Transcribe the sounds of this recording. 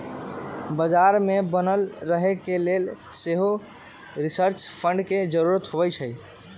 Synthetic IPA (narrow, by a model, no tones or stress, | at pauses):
bəd͡ʒaɾmebənəlɾəɦɛkelelseɦo | ɾisəɾt͡ʃpʰəɳɖked͡ʒəɾuɾət̪ɦoβɛjt͡ʃʰəj